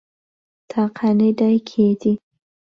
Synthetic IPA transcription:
t̪ʰɑqʰaniɖajkʰed̪i

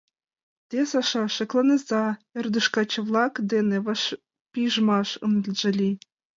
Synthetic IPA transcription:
t̪ʲesɑʃɑʃɤ̆klˠɑnɤzɑĕrd̪uʃkɑt͡ɕɤ̆ʋlˠɑkd̪eneɑʃ | pʲiʒmɑʃɯ̰nd̪lʒɘ̆lʲi

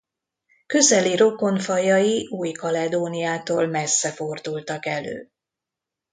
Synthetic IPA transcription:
kø̞zɛliɾo̞ko̞ɱfɒjɒjiʔuːjkɒlɛd̪oːnijaːt̪o̰ːlmɛsːɛfo̞rd̪ult̪ɒkɛlø̰ː

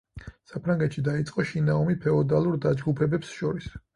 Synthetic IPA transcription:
sapʰɾaŋɡɛt̪ʃid̪ait̪sʼqʼɔʃinaɔmipʰɛɔd̪alˠuɾd̪ad͡ʒɡupʰɛbɛpsʃɔɾis

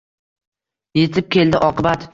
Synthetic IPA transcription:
je̞t̪ʰɪp̚kʲʰe̞ld̪ɪʔɒqɨbat̪

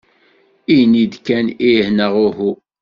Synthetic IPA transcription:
inid̪kænihnəʁʊhu

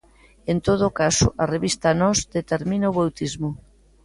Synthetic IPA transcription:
ent̪oð̞ːkasʊ̰ʔareβist̪anɔzd̪et̪eɾmĩnaoβawt̪izmʊ

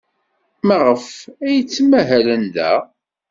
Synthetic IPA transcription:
məʁəfæjət͡sːmæɦælənðæ̰

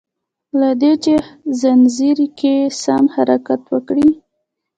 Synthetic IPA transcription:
lad̪et͡ʃezanziɾkesamhaɾakat̪wəkɽi

